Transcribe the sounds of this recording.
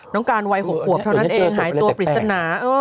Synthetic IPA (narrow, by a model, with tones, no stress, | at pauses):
nɔː˦˥ŋkaː˧nwa˧jɦo˨˩p̚ʰːu˨˩˦əp̚t̪ʰa˧˩wna˦˥ʔeː˧ŋɦaː˩˦jt̪u˧pɾi˨˩t̪sa˧naː˩˦ʔɤː˧˥